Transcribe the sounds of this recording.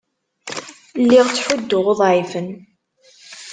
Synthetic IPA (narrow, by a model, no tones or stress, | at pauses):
lːiʁt͡sːħʊd̪ːʊʁoðˤʕifən